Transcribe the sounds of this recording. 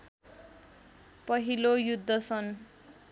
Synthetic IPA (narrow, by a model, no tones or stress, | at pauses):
pʌɦilojud̪ʱːʌsʰʌn